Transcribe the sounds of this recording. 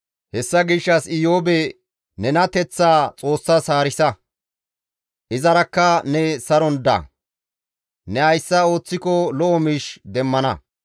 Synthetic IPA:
hɛsːɐɡɪʃːɐsɪjoːbɛ | nɛnɐt̪ɛt͡sːaːt͡sʼo̞ːsːɐsaːɾɪsɐ | ʔɪzɐɾɐkːɐnɛsɐɾɔnd̪ɐ̰ | nɛɐjsːɐo̞ːt͡sːɪkɔlɔʔɔmiːʃd̪ɛmːɐnɐ̰

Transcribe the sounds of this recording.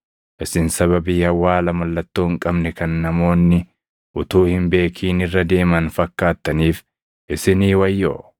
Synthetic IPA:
ʔɪsɪnsɐβɐbiːhɐwːaːlɐmɐlːɐt̪ːoːŋkʼɐbnɛkɐnːɐmo̞ːnːɪ | ʔʊt̪uːhɪmbe̞ːkʰiːnɪrːɐd̪e̞ːmɐnfɐkːaːt̪ːɐniːf | ʔɪsɪniːwɐjːo̰ː

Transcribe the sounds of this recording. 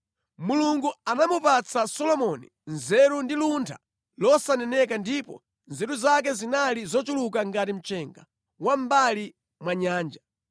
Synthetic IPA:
muluŋɡuanamupat͡sʰasɔlɔmɔnḭ | nzɛɾundiluntʰa̰ | lɔsanɛnɛkandipɔ̰ | nzɛɾuzak̬ɛzinalizɔt͡ʃulukaŋɡatim̩t͡ʃɛŋɡa̰ | wam̩bali | mwaɲaːnd͡ʒa

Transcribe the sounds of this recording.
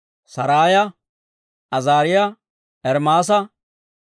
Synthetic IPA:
sɐɾaːjɐ | ʔɐzaːɾɪjɐ | ʔɛɾmaːs̬ɐ

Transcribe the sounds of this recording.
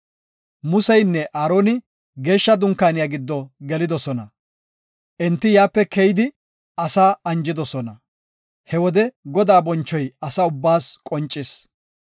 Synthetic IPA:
mʊsɛjnːɛʔaːɾo̞ːnɪ | ɡe̞ːʃːɐd̪ʊŋkːaːnɪjaɡɪd̪ːɔɡɛlɪd̪ɔsɔnɐ | ʔɛnt̪ːɪjaːpːɛkɛjɪd̪ɪ | ɐsaːɐnd͡ʒɪd̪ɔsɔnɐ | hɛwɔd̪ɛɡɔd̪aːbɔnt͡ʃːɔjɐsɐʊbːaːskʼɔnt͡ʃʼːɪs

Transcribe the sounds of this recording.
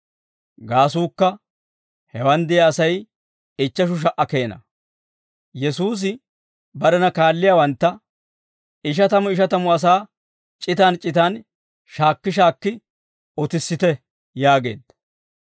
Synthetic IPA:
ɡaːs̬uːkːɐ | hɛwɐnd̪ɪjɐːsɐj | ɪt͡ʃːɐʃ̬ʊʃ̬ɐʔɐkeːnɐ̰ | jɛsuːs̬ɪ | bɐɾɛnɐkaːlːɪjaːwɐnt̪ːɐ | ɪʃ̬ɐt̪ɐmʊɪʃɐt̪ɐmʊɐs̬aː | t͡ʃʼɪt̪aːnt͡ʃʼɪt̪aːn | ʃaːkːɪʃ̬aːkːɪ | ɔt̪ɪsːɪt̪ɛ | jaːɡe̞̰ːd̪̥

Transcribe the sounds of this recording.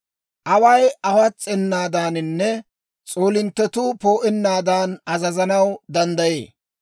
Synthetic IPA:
ʔɐwɐjʔɐwɐt͡sʼːɛnːaːd̪aːnɪnːɛ | t͡sʼo̞ːlɪnt̪ːɛt̪upo̞ːʔɛnːaːd̪aːnɐzɐzɐnɐwd̪ɐnd̪ɐjḛː

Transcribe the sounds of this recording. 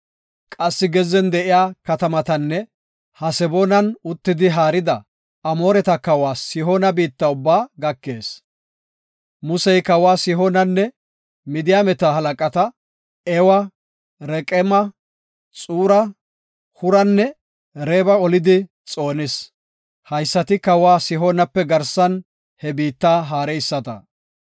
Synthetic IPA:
kʼɐsːɪɡɛzɛnd̪ɛʔɪjaːkɐt̪ɐmɐt̪ɐnːɛ | hɐsɛbonɐnʊt̪ːɪd̪ɪɦaːɾɪd̪ɐ | ɐmo̞ːɾɛt̪ɐkɐwaːsɪɦonɐbiːt̪ːɐʊbːaːɡɐkːeːs | mʊsɛjkɐwaːsɪɦonɐnːɛ | mɪd̪ɪjaːmɛt̪aɦɐlɐkʼɐt̪ɐ | ɛwɐ | ɾɛkʼɛmɐ | t͡sʼuːɾɐ | hʊɾɐnːɛ | ɾeːbɐɔlɪd̪ɪ | t͡sʼo̞ːnɪs | hɐjsːɐt̪ɪkɐwaːsɪɦoːnɐpːɛɡɐɾsɐn | hɛbiːt̪ːaːɦaːɾɛjɪsːɐt̪ɐ̰

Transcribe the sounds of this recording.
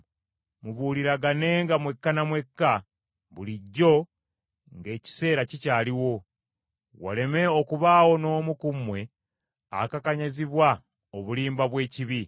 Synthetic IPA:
muβuːliɾaɡane̞ːŋɡamwe̞kːanamwe̞kːa | βuliɟːo̞ | ŋɡe̞ːci̥se̞ːɾacicaːliwo̞ | wa̰le̞me̞okuβaːwo̞no̞ːmukumwe̞ | a̰kakaɲaziβwa | oβuliːmbaβwe̞ːciβi

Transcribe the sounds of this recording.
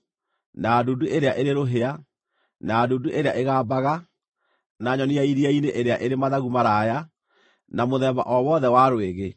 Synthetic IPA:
naːduduʔeɾeaʔeɾeɾoɦea | naːduːduʔeɾeaʔeɣaːbaɣa | naɲɔniaiɾiaineʔeɾeaʔeɾemaðaɣumaɾaja | namoðɛβa̰ʔɔwɔðɛwaɾweɣe

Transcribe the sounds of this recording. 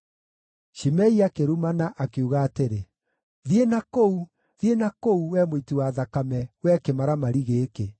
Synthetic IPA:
ʃimɛiakeɾumanaʔakeuɣaːteɾe | ðienakou | ðienakouwɛmoitiwaːðakamɛwɛkemaɾamaɾiɣeːke

